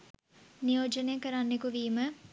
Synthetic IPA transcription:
nijoːd͡ʒənejkɐɾanːekuʋiːmə

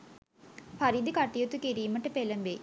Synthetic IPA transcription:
fɐɾid̪ikɐʈːijut̪ukiɾiːməʈəpelɐmʋe

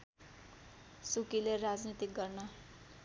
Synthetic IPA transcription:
sukilerad͡znit̪ik̚ɡʌrnʌ

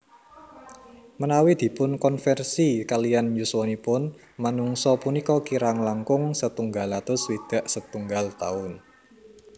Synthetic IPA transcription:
mənawid̪̥i̤pʊnkɔnfɛrsikalijanjuswɔnipʊn | manuŋsɔpunikɔkiɾaŋlaŋkʊŋsət̪uŋɡalat̪ʊswid̪̥a̤ʔsət̪uŋɡalt̪a̰ʊn

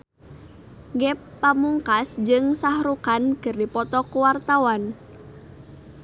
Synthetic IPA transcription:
ŋɡɛpːamuŋkasd͡ʒɨŋsahɾukankɨrdipɔt̪ɔkuwart̪awan

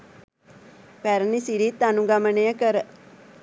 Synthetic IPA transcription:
pæɾənisiɾiːt̪ːanuɡɐmənejəkəɾə

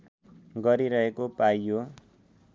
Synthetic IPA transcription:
ɡʌɾiɾʌɦekopajjo

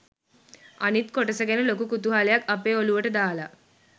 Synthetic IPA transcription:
a̰nit̪koʈəsəɡenəlokukut̪uɦalejakapeːoluʋəʈəd̪aːla̰

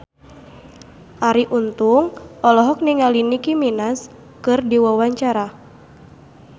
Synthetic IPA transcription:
ʔaɾiʔunt̪uŋʔɔlɔɦɔk̚niŋalinikiminas | kɨrdiwawaɲt͡ʃaɾa

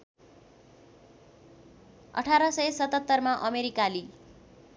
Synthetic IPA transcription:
ʌ̰ʈʰaɾʌsʌjsʌt̪ʌt̪ːʌrmaʔʌmeɾikali

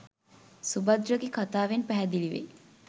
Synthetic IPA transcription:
subɐd̪ɾəɡekʰat̪aːʋenpæɦɛd̪iliʋḛ

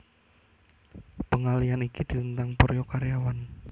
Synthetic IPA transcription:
pəŋalianikid̪̥i̤t̪ənt̪aŋpɔɾejokaɾejawan

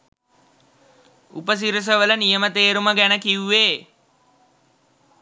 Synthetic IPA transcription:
upəs̬iɾus̬əʋələnijəmət̪eːɾuməɡænəkiuːeː

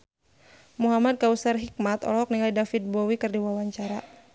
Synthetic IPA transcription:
muɦamad̪̚kausarɦik̚mat̪ɔ̰lɔɔk̚niŋajdafit̪̚bɔwikɨrdiwawaɲt͡ʃaɾa

